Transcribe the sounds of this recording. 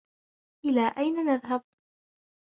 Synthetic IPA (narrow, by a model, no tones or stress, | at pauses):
ʔɪlaːʔajnanaðɦab̚